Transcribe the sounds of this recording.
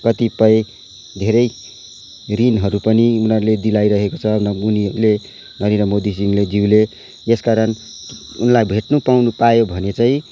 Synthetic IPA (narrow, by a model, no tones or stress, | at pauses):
kʌt̪ipʌj | d̪ʱeɾʌj | rinɦʌɾupʌniunʌɾuled̪ilajɾʌɦekot͡sʰʌnunile | ɡʱʌneɾʌmod̪is̬iŋled͡ziwle | eskaɾʌn | unlajbʱeʈnupawnupajobʱʌnet͡saĩ